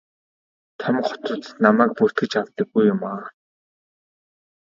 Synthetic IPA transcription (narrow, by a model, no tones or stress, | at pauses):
t̪ʰam̆χɔ̥t̪ʊ̆t̪namæːk̚pur̥t̪ɡɘ̆t͡ɕaw̥t̪ə̆ɡːujːʊmaː